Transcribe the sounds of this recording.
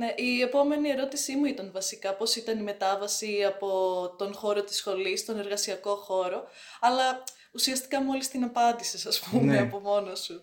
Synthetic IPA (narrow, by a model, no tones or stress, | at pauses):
ne̞ʔiepo̞me̞nie̞ɾo̞t̪isimuit̪ɐnvɐsikɐpo̞sit̪ɐnime̞t̪ɐvɐsiɐpo̞t̪o̞nxo̞ɾo̞t̪i̥sxo̞list̪o̞ne̞ɾɣɐsiɐko̞xo̞ɾo̞ | ɐlɐ | usiɐst̪i̥kɐmo̞list̪inɐpɐnd̪isesɐspumeɐpo̞mo̞nosu